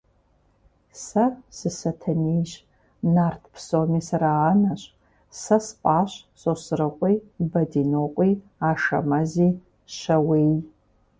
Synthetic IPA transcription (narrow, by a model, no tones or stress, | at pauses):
sɐsɨsɐtʰɐnijʒ | nartʰpʰsomisaɾaːnaɕʷʼ | sɐspʼaːɕʷsosrɨqʷʼijbɐdinoqʷʼi | aʂɐ̰mɐzi | ʃɐwej